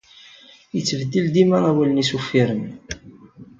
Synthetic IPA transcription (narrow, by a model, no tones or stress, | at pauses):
jət͡sːəvəd̪ild̪imæʁæwælənisufːiɾən